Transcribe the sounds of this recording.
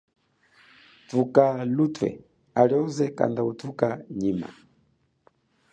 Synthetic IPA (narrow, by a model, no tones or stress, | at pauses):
tukalutwɛ̰ | aliɔzɛka̰ndautukaɲima̰